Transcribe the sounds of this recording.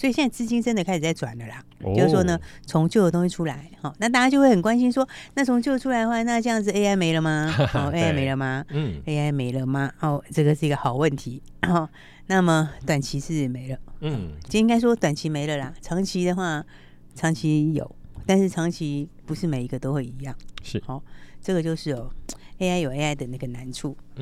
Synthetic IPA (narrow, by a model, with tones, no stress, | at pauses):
swɔ˧˥i˨ɕjɛ˥˧na˥˩t͡sɹ̩˥˧˩t͡ɕi˥nʈ͡ʂə˥nd̪ə˨a˥ɪʂɻ̩˨˩t͡sa˥˩ɪʈ͡ʂwa̰˨˩nlə˦lɐ˧˦jo˥˧ɻ̩˥˩ʂwɔ˥nə˧t͡sʰʊ˧˥ŋt͡ɕjo˥˩ʊdə˩t̪ʊ˥ŋɕi˥˧ʈ͡ʂʰu˥la˧˥ɪxɔ˥˩na˥˩t̪a˥˩t͡ɕja˥t͡ɕjo˥˧ʊwe˥˩ɪxə˨˩kwa˥nɕi˥nʂwɔ˥na˥˩t͡sʰʊ˧˥ŋt͡ɕjo˥˩ʊə˧ʈ͡ʂʰu˥a˧˥ɪdə˧xwa˥˧na˥˧ʈ͡ʂɤ˧jɑ˥˩ŋd͡z̩˧e˥ɪa˥ɪme˧˥ɪlə˧ma˧ɔ˥˩e˥a˥ɪme˧˥ɪlə˧ma˨˩e˥ɪa˥ɪme˧˥ɪlə˧ma˩o˥˩ʈ͡ʂɤ˥˩ɡə˩ʂɻ̩˥˩i˧˥ɡə˧xɑ˨˩ʊwə˥˩nt̪ʰi˧˥ | xɔ˥˩ | na˥˩mə˨t̪wa˨˩nt͡ɕʰi˧˥ʂɻ̩˥˩me˧˥ɪlə˧ɔ˥˨˩t͡ɕo˥˧i˥ŋka˥ɪʂ̬wɔ˥t̪wa˨˩nt͡ɕʰi˧˥me˧˥ɪlə˧la˨˩ʈ͡ʂʰɑ˧˥ŋt͡ɕʰi˧˥d̪ə˨˧xwa˥˩ | ʈ͡ʂʰɑ˧˥ŋt͡ɕʰi˧˥jo̰˨˩˦ʊt̪a˥˧nʂɻ̩˥˩ʈ͡ʂʰɑ˧˥ŋt͡ɕʰi˧˥pu˧˥ʂɻ̩˥˩me˨˩ɪi˧˥ɡə˧t̪o˥ʊxwe˥˩ɪi˧˥jɑ˥˩ŋ˩xɔ˥˩ʈ͡ʂɤ˥˩ɡə˩t͡ɕjo˥˧ʊʂɻ̩˥˩˨e˥ɪa˥ɪjo˨˩ʊe˥ɪa˧˥ɪt̪ə˨˩na˥˩ɡə˩na˧˥nʈ͡ʂʰu˥˩